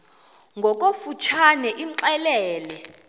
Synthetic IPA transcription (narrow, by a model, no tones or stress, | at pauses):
ŋɡʱɔk̬ʼofut͡ʃʰanɛʔiǁɛlɛːlɛ